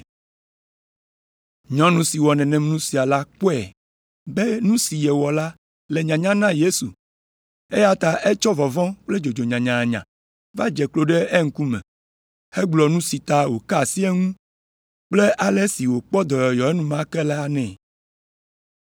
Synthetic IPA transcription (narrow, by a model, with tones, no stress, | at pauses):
ɲɔ̃˦nũ˦si˨wɔ˨nɛ̃˨nɛ̃˨m˦nũ˦si˨a˨la˦k͡po˦ɛ˨ | be˦nũ˦si˨jɛ˨wɔ˨la˦ | le˨ɲã˨ɲã˦nã˦je˦sṵ˨ | e˦ja˦t̪a˨ʔe˦t͡ʃɔ˦vɔ˨vɔ̃˦k͡ple˦d͡ʒo˨d͡ʒo˨ɲã˨ɲã˨a˨ɲã̰˨ | va˦d͡ʒɛ˨klo˦ɖe˦e˦ŋ̩˦ku˦mɛ̰̃˨ | e˦ɡ͡blɔ˨nũ˦si˨t̪a˦wo˨ka˦˨si˦ɛ˦ŋũ˦ | k͡ple˦ʔa˨lɛ˦si˨wo˨k͡pɔ˦d̪ɔ˨jɔ˨jɔ˨e˦nũ˦mã˦kɛ˦la˦˨nɛ̃˨